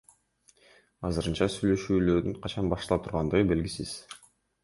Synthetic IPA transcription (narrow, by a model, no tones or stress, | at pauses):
ɑzɯɾɯnt͡ʃɑsyjlø̞ʃyːlø̞ɾd̪yɴqʰɑt͡ʃɑnbɑʃt̪lˠɑpt̪ʰuɾʁɑnd̪ɯʁɯbe̞lɡisiz̥